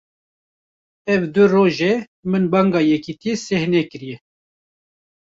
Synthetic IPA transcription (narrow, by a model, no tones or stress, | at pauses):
ɛvd̪ɨroːʒe | mɨnbɑŋɡɑːjɛkit̪ijesɛhnɛkɨɾijɛ